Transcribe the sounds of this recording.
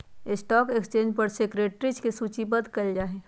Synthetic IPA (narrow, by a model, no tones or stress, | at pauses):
ɪsʈɔːkekst͡ʃẽːɲd͡ʒpəɾsekɾeːʈɾit͡ʃkesut͡ʃibəd̪kəld͡ʒaːɦe